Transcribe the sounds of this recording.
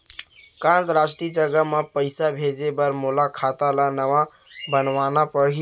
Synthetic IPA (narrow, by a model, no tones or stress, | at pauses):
kãnt̪ɾasʈid͡ʒəɡəmepəɪsabʱed͡ʒebəɾmolakʰat̪alanəʋã | bənʋanapəɽɦi